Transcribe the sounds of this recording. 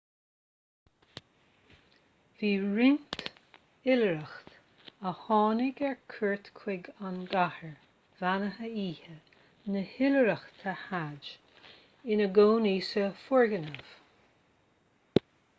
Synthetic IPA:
viːɹɪnt̪ | ɪləɾəxt̪ | əhɑːnɪɡɛɹkʰəɹt̪kʰwɪɡanɡahəɹ | vanəɦəiːhə | nəhɪləɾəxt̪ʰahad͡ʒ | ɪnəɡoːniːsəfʊɹɡənəv̥

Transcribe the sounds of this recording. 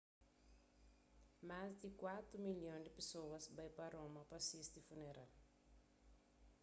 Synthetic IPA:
mazd̪ikwat̪ɾumiljõd̪ipesowɐsbajpaɾomɐpasist̪ifuneɾa̰l

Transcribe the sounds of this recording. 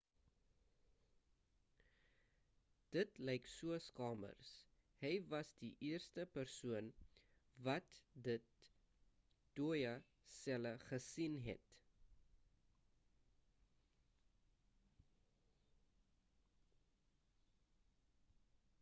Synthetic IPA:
d̥ətlɛjksuəskɑːmə̰rs | həjvɐsdiʔiərstəpərsuən | vɐtdət̚ | d̥ujɐ | sɛləχəsinɦɛ̰t

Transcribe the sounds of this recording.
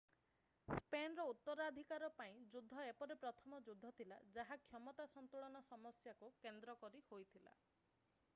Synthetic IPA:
spenɾɔut̪ːɔɾad̪ʱikaɾɔpaĩd͡ʒud̪ʱːɔepɔɾepɾɔt̪ʰɔmɔd͡ʒud̪ʱːɔt̪ʰila̰d͡ʒaɦakʰjɔmɔt̪asɔnt̪uɭɔnɔsɔmɔsjakukend̪ɾɔkɔɾihojt̪ʰila̰

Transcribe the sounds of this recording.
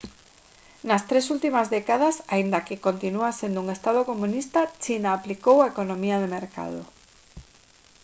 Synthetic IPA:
nast̪ɾes̬ult̪imazðekað̞asaind̪akekont̪inuasend̪ouŋest̪að̞okomũnist̪at͡ʃinaːplikowaekonõmiað̞emeɾka̰ð̞o̰

